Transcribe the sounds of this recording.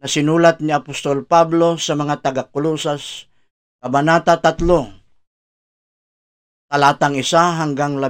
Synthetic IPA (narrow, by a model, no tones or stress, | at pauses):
nɐsɪnuːlat̪̚nɪapʊst̪olpablo̞sɐmɐŋat̪ɐɡakʊlusas | kɐbanat̪at̪at̪lo | t̪ɐlat̪aŋɪsaɦaŋɡaŋlɐ